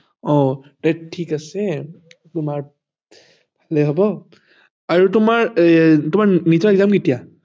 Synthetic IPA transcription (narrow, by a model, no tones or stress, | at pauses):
ɔtɛʈʰːikasɛ | tʊmaɹ | bʱalɛɦɔbɔ | aɹutʊmaɹtʊmaɹnitɔɹɛɡzamketija